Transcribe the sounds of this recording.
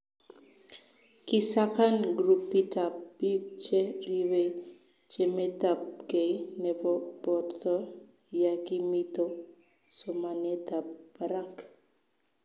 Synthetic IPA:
kisakanɡɾupːitapbit͡ʃɛɾiwe | t͡ʃemet̪ap̚ɡenɛbɔbɔt̪ɔ | jakimit̪o | sɔmanet̪ap̚baɾak

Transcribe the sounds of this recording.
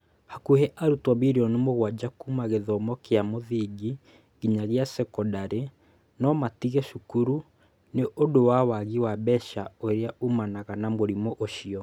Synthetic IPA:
hakuhɛʔaɾutwɔβiɾiɔnemoɣwad͡ʑakumaɣeðɔmɔkeamoðiɡi | ɣiɲaɣeasɛkɔdaɾe | nɔmatiɣɛʃukuɾu | neʔodowawaɣiwabɛʃaoɾeaumanaɣanamoɾimɔʔoʃiɔ

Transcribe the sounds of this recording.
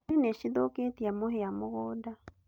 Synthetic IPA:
ineʃiðoketiamoɦeamoɣoːda

